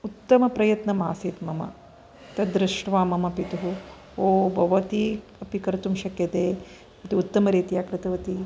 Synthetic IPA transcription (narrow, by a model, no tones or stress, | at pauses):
ut̪ːɐmɐpɾɐjɐt̪nɐmaːsit̪mɐmɐ̰ | t̪ɐd̪ɾɪʂʈʋaːmɐmɐpit̪uɦu | oːbʱɐʋɐt̪i | ɐpikɐɾɐt̪umʃɐkjɐt̪eː | ɐt̪iut̪ːɐmɐɾeːt̪ijaːkɾɪt̪ɐʋɐt̪i